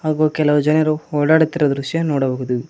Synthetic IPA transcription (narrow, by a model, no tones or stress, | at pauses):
ɐːɣoːkɛlɐʋd͡ʒɐnɐɾoːɽaːɽɯt̪ːɪrɐd̪ɾʊʃjɐnoːɽɐʋɐɣɯðɯ